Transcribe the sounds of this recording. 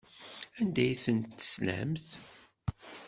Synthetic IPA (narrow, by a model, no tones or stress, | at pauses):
ænd̪æjθənt̪ːə̥slæ̰mθ